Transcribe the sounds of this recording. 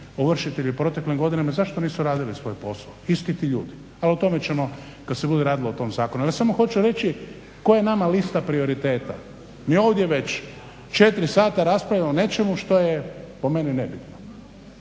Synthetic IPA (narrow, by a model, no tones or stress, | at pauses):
oʋr̩ʃit̪eʎipɾo̞t̪e̞klimɡo̞d̪inemazaʃt̪oniːsuɾaːd̪ilisʋo̞jpo̞slˠa̰oist̪it̪iʎṵːd̪i | alot̪o̞me̞t͡ɕe̞mo̞ | kad̪sebud̪eɾaːd̪ilo̞ot̪o̞mzaːkonumsamoxo̞t͡ʃuɾe̞t͡ʃi | ko̞jenamalist̪apɾio̞ɾit̪e̞ːt̪a̰ | mijo̞ːʋd̪je̞ʋe̞t͡ɕ | t͡ʃe̞t̪ɾisaːt̪aɾaspɾalʎamone̞t͡ʃe̞muʃt̪o̞jepo̞me̞ninebit̪no